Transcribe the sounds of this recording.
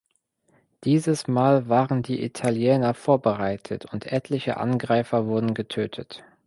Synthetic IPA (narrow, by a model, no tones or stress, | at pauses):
d̥iːzəsmaːlvaːʁəndiːʔḭtʰaljɛːnɐfoːɐbəʁaɪtʰə̰tʰʊntʰʔɛtʰlɪçə̰ʔa̰nɡʁaɪfɐvʊɐdn̩ɡətʰøːtʰət